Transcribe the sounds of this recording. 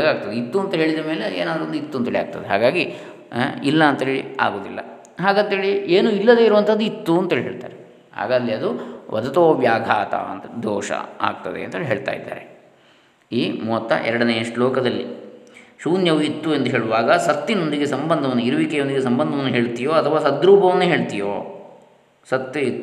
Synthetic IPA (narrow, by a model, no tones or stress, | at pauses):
ɡaːɡ̚t̪ɐd̪eit̪ːuɐnt̪ɐɦe̞ːɭid̪ɐme̞ːleḛːnaːd̪ɾond̪uit̪ːuɐnt̪ɐeːɭija̰ːɡ̚t̪ɐd̪eɦa̰ːɡaːɡi | ilːɐːnt̪ɐɦeːɭḭa̰ːɡoːd̪ilːɐ̰ | ɦaːɡɐːnt̪ɦeːɭieːnuilːɐd̪eiɾuʋɐnt̪ʰɐd̪ːuit̪ːuɐnt̪eɭiɦeːɭt̪a̰ːɾe | ha̰ːɡaːd̪liɐd̪uʋʔɐ̰d̪ɐt̪oːʋjaːɡʱaːt̪ʰa̰ɐ̰nt̪d̪ʱɔːʂɐ̰a̰ːɡ̚t̪ɐd̪eɐ̰nt̪ɐeːɭiɦeːɭt̪a̰ːjid̪ːa̰ːɾe | iːmuːɐt̪ːɐ̰ʔɛ̰ɾɐɽɐnejɐʂʈlɔːkɐd̪ɐlːḭ | ʃuːnjɐʋuit̪ːuend̪uɦe̞ːɭuʋaːɡɐsɐt̪ːinond̪iɡesɐmbɐnd̪ʱɐʋɐnːuiɾuʋikɛjond̪iɡesɐmbɐnd̪ʱɐʋɐnːuɦeːɭt̪ijoːɐt̪ʰɐʋaːsɐd̪ɾuːbʱɐʋɐnːuɦe̞ːɭt̪ijo̰ː | sɐt̪ːit̪ːu